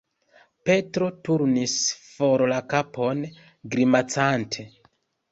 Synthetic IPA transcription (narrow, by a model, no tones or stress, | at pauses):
pe̞tɾo̞tuɾnisfo̞ɾlakapʰo̞n | ɡɾimat͡santʰe̞